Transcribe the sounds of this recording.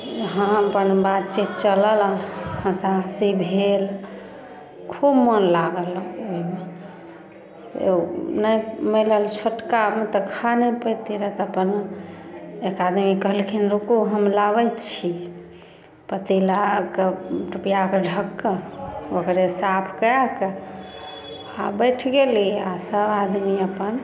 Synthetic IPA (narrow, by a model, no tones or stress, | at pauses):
ɦə̃əpənbat̪t͡ʃit̪̚t͡ʃələlhə̃sasibʱel | kʰubmənlaɡəloime | sḛnəjmeləlt͡ʃʰoʈkamet̪əkʰanepəjt̪iɾət̪əpən | ekad̪mikəɦlkʰinɾukuɦəmlaβətt͡ʃʰi | pət̪ilakeʈupijakeɖʱəkːəokɾesapʰkəake | a̰bəjʈʰɡeliasəbad̪miəpən